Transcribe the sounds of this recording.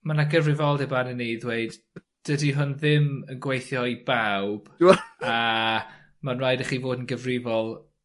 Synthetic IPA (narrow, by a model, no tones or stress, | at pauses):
manaɡəvrɪvɔlˠdɛbanɛneðweɨd̥ | d̥ədiɦʊnðɪmənɡwejθjɔibawb̥a | manrajdaχiːvoːdənɡəvrɪvɔlˠ